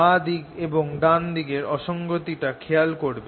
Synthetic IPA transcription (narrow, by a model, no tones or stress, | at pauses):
ad̪iɡeboŋɖand̪iɡeɾɔʃɔŋɡot̪iʈakʰealkoɾbe